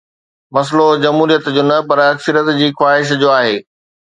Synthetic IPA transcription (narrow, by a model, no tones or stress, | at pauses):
mɐs̬lod͡ʑɐmɦuːɾijət̪d͡ʑoːnɐpɐɾɐksɪɾət̪d͡ʑiːxwaːɦɪʃ̬d͡ʑoːaːɦeː